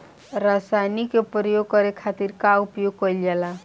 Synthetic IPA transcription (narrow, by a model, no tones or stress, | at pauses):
ɾasajnikːepɾəjoɡ̚kʌɾekʰat̪iɾkaupjoɡ̚kʌjld͡ʒala